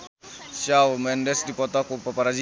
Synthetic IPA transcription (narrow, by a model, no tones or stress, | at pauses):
ʃawmɛndɛsdipɔtakupapaɾad͡ʒ